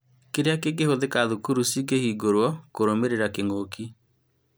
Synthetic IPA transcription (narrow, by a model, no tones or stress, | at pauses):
keɾeakek̬ehoðekaðukuɾusiɡehiɡoɾwɔkoɾomeɾeɾakeŋoːkʰi